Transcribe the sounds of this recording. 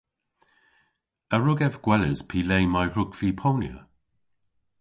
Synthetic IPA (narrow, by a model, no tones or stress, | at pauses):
əɹʊɡɛvɡ̥wɛlɪz̥pʰiːleːmajɹʊɡv̥iːpʰownjə̰